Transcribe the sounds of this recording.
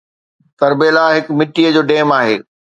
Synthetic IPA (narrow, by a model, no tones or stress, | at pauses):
t̪ɐɾbeːlaːɦɪkmɪʈːijəd͡ʑoːɖeːmaːɦeː